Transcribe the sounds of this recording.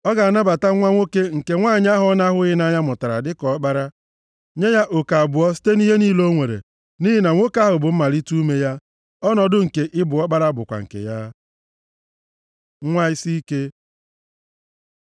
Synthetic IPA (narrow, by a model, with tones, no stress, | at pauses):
ɔ˦ɡa˨a˨na˦ba˨ta˦ŋʷa˦ŋʷo˦ke˦ŋ̩˨ke˨ŋʷa˦˨ɲ˦a˦ɦʊ˦ɔ˦na˦ɦʊ˦ɪ˦na˦ɲa˦mʊ˨ta˨ɾa̰˨dɪ˦kɔ˨˦k͡pa˦ɾa˦ | ɲe˦ja˦ʔo˨ka˨a˨bʊ˨ɔ˦s̬i̥˦te˦ni˦ɦe˦niː˦lo˦ŋʷe˨ɾḛ˨ | ni˦ɦi˦na˨ŋʷo˦ka˦ɦʊ˨bʊ˨m̩˦ma˨ɾi˦tu˦me˦ja˦ | ɔ˦nɔ˨dʊ˦ŋ̩˨ke˨ʔɪ˦bʊ˨ɔ˦k͡pa˦ɾa˦bʊ̰˨kʷa̰˨ŋ̩˨kḛ˨ja˦ | ŋʷa˦ɪ˦si˦i˦ke˦